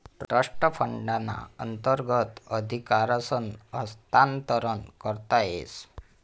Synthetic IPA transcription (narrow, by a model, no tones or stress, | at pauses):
ʈɾəʂʈəpʰəɳɖana̰ə̰nt̪əɾɡət̪əd̪ʱikaɾasɔnəst̪ant̪ɔɾɔnkɔɾt̪aḛs